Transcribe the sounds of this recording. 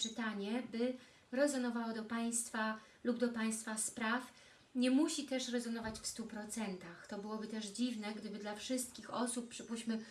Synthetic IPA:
t͡ʂɘt̪aɲɛbɘ | ɾɛzɔnɔvawɔd̪ɔpaj̃st̪fa | lubd̪ɔpaj̃st̪faspɾaf | ɲɛmuɕit̪ɛʂɾɛzɔnɔvat͡ɕfst̪upɾɔt̪sɛnt̪axt̪ɔbɘwɔbɘt̪ɛʐd͡ʑivnɛɡd̪ɘbɘd̪lafʂɘst̪̚kʲixɔsupːʂɘpuɕmɘ

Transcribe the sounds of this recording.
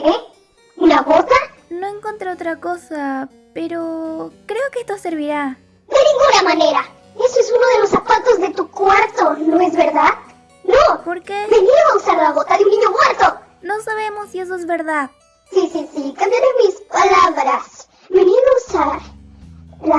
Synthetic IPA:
ɾe | unaβot̪a | noeŋkont̪ɾeot̪ɾako̞sa | pe̞ɾokɾe̞okeest̪ose̞ɾβiɾa | d̪enĩŋɡunamane̞ɾa | esoesunoðelosapat̪o̞zðe̞t̪ukwaɾt̪onoezβeɾðað | nopo̞ɾkebeniausaɾlaβot̪aðeunːĩɲo̞mweɾt̪o̞ | no̞saβe̞mosːie̞s̬oezβe̞ɾðað | sisisikambjaɾemispalaβɾas | beniɣausaɾ | la

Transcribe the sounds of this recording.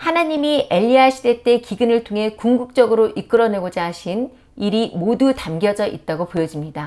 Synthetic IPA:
hanaɲimie̞ʎːiaɕʰide̞t͈e̞kiɡɯnɯɭtʰoŋɦe̞kuŋɡuk̚t͡ɕ͈ʌɡɯɾoʔik͈ɯɾʌne̞ɡod͡ʑaɦːɕʰin | iɾimodutamɡjʌd͡ʑʌʔit̚t͈aɡopojʌd͡ʑimɲida

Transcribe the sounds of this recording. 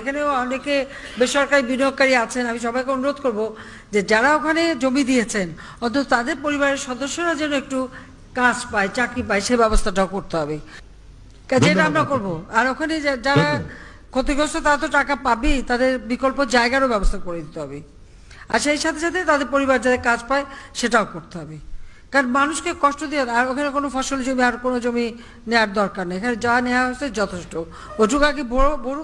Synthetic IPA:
ekʰaneoɔneke | beʃɔɾkaɾibiniokːaɾiat͡ɕʰenamiʃ̬ɔbajkeonuɾod̪̚koɾbo | d͡ʑed͡ʑaɾaokʰaned͡ʑomid̪ijet͡ɕʰen | ɔt̪ʰot̪ot̪ad̪eɾpoɾibaɾeɾʃɔd̪oʃːoɾad͡ʑɛnoek̚ʈu | kad͡ʑpaet͡ɕakɾip̬aeʃejbɛbost̪ʰaʈaokoɾt̪eɦɔbe | kad͡ʑeʈamɾakoɾboaɾokʰaned͡ʑaɾa | kʰot̪iɡost̪ʰot̪aɾat̪oʈakapabit̪ad̪eɾbikolpod͡ʑaeɡaɾobɛbost̪ʰakoɾed̪it̪eɦɔbe | a̰ɾʃejʃat̪ʰeʃat̪ʰet̪ad̪eɾpoɾibaɾd͡ʑad̪ekad͡ʑpaeʃeʈaokoɾt̪eɦɔbekaɾnmanuʃkekɔʃʈod̪ijaaɾokʰanekonofʰɔʃold͡ʑomiaɾkonod͡ʑomi | newaɾd̪ɔɾkaɾnajekʰaned͡ʑaaneoaɦot͡ɕʰed͡ʑɔt̪ʰeʃʈo | ojʈukaɡibʱoobʱoɾ

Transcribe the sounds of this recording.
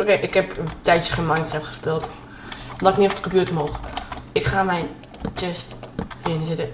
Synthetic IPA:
kɛʔɪkhɛpətɛjtjə̥χenmajntɛpχə̥spɪːlˠt | laknɪːɔpdəkɔmpjutəmoːχəɪkχaːmɛjn | tɛsthɪənsɪtə

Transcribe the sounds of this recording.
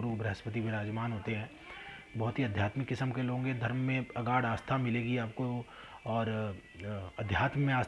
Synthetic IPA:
ɾubɾɐɦəspət̪̬ibʱiɾaːd͡ʒmaːnɦoːt̪eɦɛ̃ː | bɐɦʊt̪ɦiɐd̪ʱjaːt̪mɪkːɪsəmkeloːɡõːɡed̪ʱɐɾmːẽɐɡaːɽaːst̪ʰamɪleːɡiaːp̚ko | ɔːɾ | ɐd̪ʱjaːt̪mmẽaːs

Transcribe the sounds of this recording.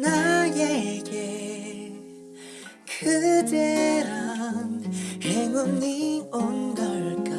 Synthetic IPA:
najeɡe | kʰɯdeanheŋonnionɡaɭka

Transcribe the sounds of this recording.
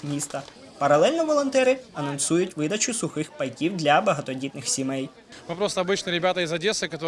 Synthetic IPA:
mʲist̪ɐ | pɐɾɐlˠɛlʲnɔʋɔlˠɔnt̪ɛɾɪɐnɔnsujʊtʲʋɪd̪ɐt͡ʃʊsʊxɪxpɐjkʲiwd̪lʲɐbɐɦɐt̪ɔdʲit̪nɪxsʲimɛj | mɨpɾost̪əɐbɨt͡ʃnəɾʲɪbʲat̪ɐɪzɐdʲesɨkɐt̪o

